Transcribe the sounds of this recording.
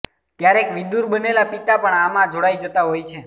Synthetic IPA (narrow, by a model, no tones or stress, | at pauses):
t̪jaɾekʋid̪uɾbənelapit̪apəɳamãd͡ʒʱoɽajd͡ʒət̪aɦojt͡ʃʰe